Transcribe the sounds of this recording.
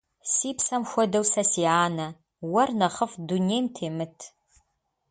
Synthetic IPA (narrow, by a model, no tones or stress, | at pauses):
siːpsɐmxʷɔdɐwsɐsiaːnɐ | wɐrnɐχəfduneːjmtʰeːmɨtʰ